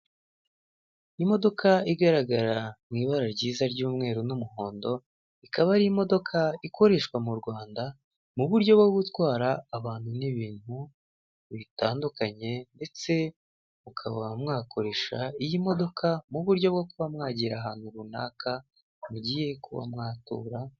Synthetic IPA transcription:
imo̞do̞kʰaiɡaɾaɡaɾamŋiːβaɾaɾɟiːzaɾɟuːmŋe̞ːɾunumuho̞ːndo̞ | ikaβaɾijimo̞do̞kʰaikʰo̞ɾe̞ːʃkwamuɾɡwaːnda | muβuɾɟo̞bɡoɡutwaːɾaːβaːn̥huniβiːn̥hu | βitaːndukaɲe̞nde̞t͡se̞ | mukʰaβamŋaːkʰo̞ɾe̞ʃaijimo̞do̞kʰamuβuɾɟo̞bɡokuβamŋaːɟiɾaɦaːn̥huɾuna̰ːka | muɟije̞kuβa̰mŋaːtṵːɾa

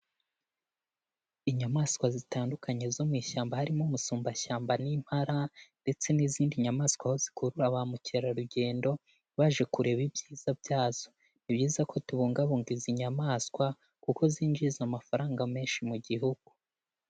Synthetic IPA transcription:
iɲamaːskwazitaːndukʰaɲe̞zo̞mwiːʃaːmbahaɾimomusuːmbaʃaːmbanim̥haɾande̞t͡se̞niziːndiɲamaːskwaho̞zi̥kuɾuɾaβamuceɾaɾuɟe̞ːndo̞ | βaʒe̞kuɾe̞βibjiːz̥abjaːz̥o̞̥ | niβjiːzakʰo̞tuβuːŋɡaβuːŋɡiziɲamaːskwa | kuko̞zind͡ʒizamafaɾaːŋɡame̞ːnʃimuɟiɦuɡ̥u

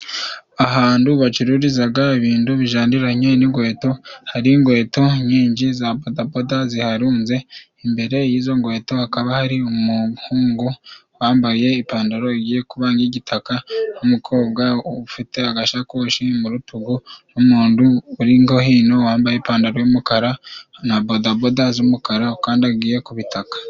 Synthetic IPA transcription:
aɦaːnduβat͡ʃiɾuɾizaɡaiβiːnduβiʒaːndiɾaɲeniŋɡwe̞ːto̞haɾiŋɡwe̞ːto̞ɲiːɲd͡ʒizabodabodazihaɾuːnze̞ | imbe̞ɾe̞jiːzo̞ŋɡwe̞ːto̞hakaβahaɾiumuhuːŋɡu | waːmbaje̞ipaːndaɾo̞iɡiːje̞kuβaːŋɡiɟitʰakanumukʰo̞ːbɡafite̞aɡaʃakoʃimuɾutuɡunumuːnduːɾiŋɡo̞hiːno̞waːmbaje̞paːndaɾojumukaɾanabodabodazumukaɾakaːndiaɡiːje̞kuβitʰakḁ

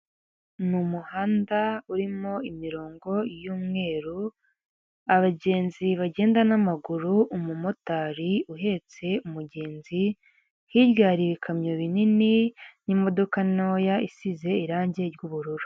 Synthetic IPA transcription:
numuhaːndauɾimo̞imiɾo̞ːŋɡo̞juːmŋe̞ːɾu | aβaɟe̞ːnziβaɟe̞ːndanamaɡuɾuʔumumotaːɾiuɦe̞t͡se̞umuɟe̞ːnzi | hiβɡaːɾiβikʰamɲoβinininimo̞do̞kano̞ːjaʔisize̞iɾaːɲɟe̞ɾɟuβuɾuɾu̥

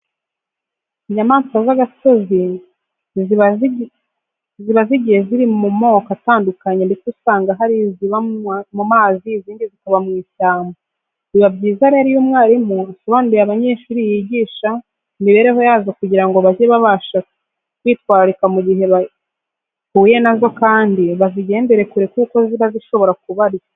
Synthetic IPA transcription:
iɲamaːnsazaɡaso̞zi | ziβaziɟiheziɾimumo̞ːkataːndukaɲendikusaːŋɡaɦaɾiziβamumaːziziːndizikaβamŋiːʃaːmba | niβabɟiːzaaɾiaɾijomŋaːɾimuasuβandijaβaɲe̞ʃuɾijiɟiːʃa | niβe̞ːɾe̞ɦo̞jaːzakuɟiɾaŋɡo̞βazeβaβaʃa | kwiːtwaːɾɾikamuɟiɦe̞βa | huːje̞nazo̞kaːndiβaziɟe̞ːnde̞ɾe̞kuɾekuːko̞ziβaziʃo̞βo̞ɾakuβaɾi

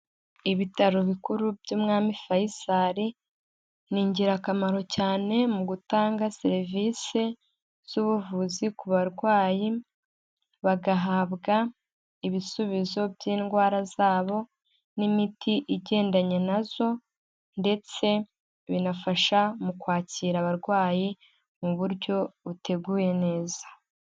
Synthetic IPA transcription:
iβitaɾoβikuɾubjuːmŋaːmifajisaɾi | niːɲɟiɾakamaɾo̞caːne̞muɡutaːŋɡaseɾvise̞ | z̥uβuvuzikuβaɾɡwaːji | βaɡaɦaβɡa | iβisuβizo̞bjiːnɡwaːɾazaːβo̞ | nimitʰiʔiɟe̞ːndaɲenazo̞ | nde̞t͡se̞ | βinafaʃamukwaːciːɾaβaɾɡwaːji | muβuɾɟo̞βute̞ɡuːje̞ne̞ːzḁ

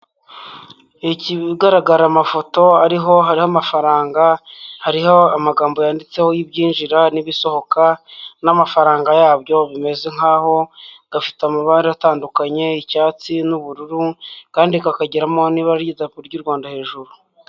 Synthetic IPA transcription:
iciɡaɾaɡaɾamafo̞to̞aɾiɦo̞ɦaɾihamafaɾaːŋɡahaɾihoamaɡaːmbo̞jaːndit͡se̞ho̞jibɟiːnʒiɾaniβiso̞ho̞kanamafaɾaːŋɡajaːβɟo̞βime̞ze̞ŋaːho̞ | ɡ̥afi̥tamuβaːndiataːndukaɲe̞icaːt͡sinuβuɾuɾukaːndikakaɟiɾamo̞niβaɾɾɟizakuɾɟuɾɡwaːndahe̞ːʒuɾu

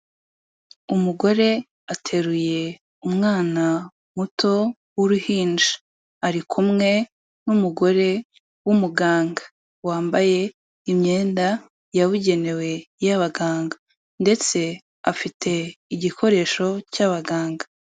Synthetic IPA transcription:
umuɡo̞ɾe̞ | atʰe̞ɾuje̞ | umŋaːna | mutʰo̞ | wuɾuhiːnd͡ʒa | aɾikʰumŋe̞ | numuɡo̞ɾe̞ | wumuɡaːŋɡḁ | waːmbaje̞ | imɲe̞ːnda | jaβuɟe̞ne̞we̞jaβaɡaːŋɡa | nde̞t͡se̞ | afitʰe̞iɟikʰo̞ɾe̞ːʃo̞caβaɡaːŋɡa

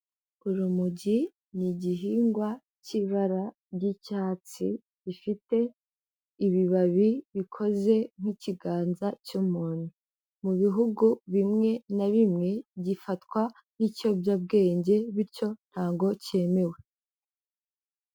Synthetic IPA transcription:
uɾumuɟi | niɟiɦiːŋɡwa | ciβaɾa | bɟicaːt͡sḭ | ɟifite̞ | iβiβaβiβikʰo̞ze̞ŋ̥hiciɡaːnzacumuːn̥hu | muβiɦuɡuβimŋe̞naβimŋe̞ɟifatwa | n̥ico̞bjab̚ɡe̞ːɲɟe̞βiɾco̞n̥haːŋɡo̞ce̞me̞we̞

